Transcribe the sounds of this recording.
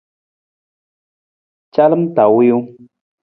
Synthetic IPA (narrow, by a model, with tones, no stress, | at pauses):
t͡ʃa˦lɨ˦m̩˦ta˨wi˦u˦